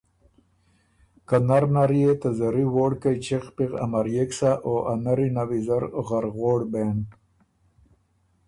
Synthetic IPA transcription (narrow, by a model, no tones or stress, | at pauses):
kanaɾnaɾjet̪azaɾiwoːɽkajt͡ʃeqpiqa̰maɾjeksaʔoʔanaɾinawizaɾɣaɾɣoːɽben